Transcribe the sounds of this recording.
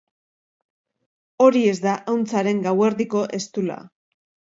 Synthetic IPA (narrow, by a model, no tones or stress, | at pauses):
o̞ɾie̞zd̪aʔawnt͡saɾe̞ŋɡawe̞ɾðiko̞ʔe̞st̪ula̰